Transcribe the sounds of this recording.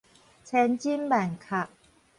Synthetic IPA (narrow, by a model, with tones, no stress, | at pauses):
t͡ɕʰɛ˧˥nt͡ɕi˥nbɛː˨˩nkʰa˨˩ʔ̚